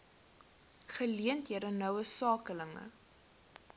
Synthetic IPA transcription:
χəliəntɦiəɾənœwəsɑːkələŋə̰

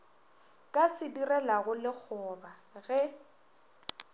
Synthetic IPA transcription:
kʼasɪdirɛlaɣʊlɪk͡xʰɔba | ɣɛ

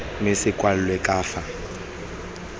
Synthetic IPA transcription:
mɪsɪkʼwal̩lwɛkʼaːfa

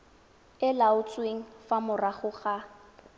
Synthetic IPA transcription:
ɪlaʊt͡sʼweŋ̩famʊraχʊχa

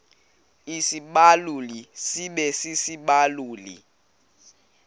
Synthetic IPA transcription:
isiɓalulisiɓɛsisiɓaluːlḭ

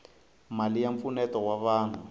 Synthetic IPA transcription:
malijaɱpfunɛtɔwaβaːn̤u

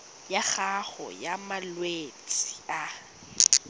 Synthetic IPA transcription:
jaχaɣɔ̰jamalwet͡sʼi̥a

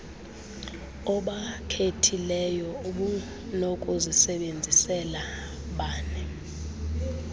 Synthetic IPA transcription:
ɔɓakʰetʰilɛjɔuɓu | nɔkʼozisɛɓend͡zʱisɛla | ɓaːnɛ

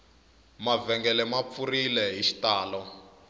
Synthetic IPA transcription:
mavɛŋɡɛlɛmap̪furilɛɦiʃi̥taːlɔ

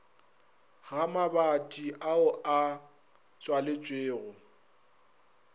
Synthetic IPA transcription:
ɣamabatʼiʔaʊʔa | t͡sʼwalɪt͡ʃʼweːɣʊ

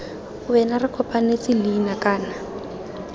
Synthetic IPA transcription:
ʊbɛnarɪkʰɔpʼanet͡sʼɪliːnakʼaːna

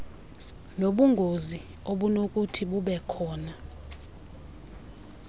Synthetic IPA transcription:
noɓuŋɡʱozi | oɓunok̬ʼutʰiɓuɓɛkʰɔːna

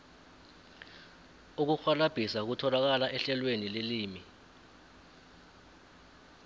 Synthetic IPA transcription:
uk̬uxwalab̥ʱisak̬utʰɔlak̬alaʔɛɬɛlwenileliːmi

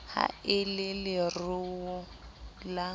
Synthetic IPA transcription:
ha̰ɪlɪlɪrʊʊ | la

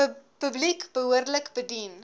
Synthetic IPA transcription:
pəblikb̥əɦuərdələkbədin

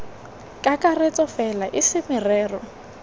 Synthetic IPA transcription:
kʼakʼaret͡sʼɔfɛlaʔɪsɪmɪrɛːrɔ

